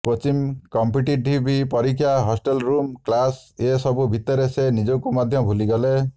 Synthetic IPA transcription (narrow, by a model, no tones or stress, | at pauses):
pɾot͡ʃimkɔmpiʈiʈibʱipɔɾikʰːjaɦɔsʈelɾumklasesɔbubʱit̪ɔɾesenid͡ʒokumɔd̪ʱjɔbʱuliɡɔle